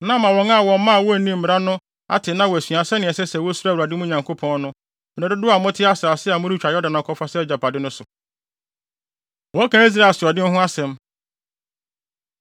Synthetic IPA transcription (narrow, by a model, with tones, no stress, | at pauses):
nã˦mã˨wɾɔ̃˨˦ŋa˦˨wɔ̃˨m˦mã˦˨wɔ˦æ˨nĩ˦m̩˨m˨ɾa˦nʊ̃˦ | a̰˦tʰɪ˨nã˦wɔ˨æ˨sɥa˨sɛ˦nɪ̃˨ɛ˨sɛ˦sɛ˨wo˦su˦a˦˨wa˨dɪ˦mʊ̃˦ɲã˨ŋkʰo˦pʰɔ̃˦n˦nʊ̃˦ | m˨a˨dʊ˦dʊ˦a˨mʊ̃˦tʰɪ˦a˦sa˨sɪ˦a˨mʊ̃˦ɾi˦t͡ɕᶣa˨jɔ˦da˨nã˨kʰɔ˦fa˦sɛ˦ɛ˦d͡ʑa˨pʰa˨dɪ˦nʊ̃˦sʊ˨ | wɔ˨˦kʰã˨˦i˦s̬ɾa˦˨sʊ˨ɔ˨dɪ˦n˦ɦʊ̃˦a˦sɛ̃˨m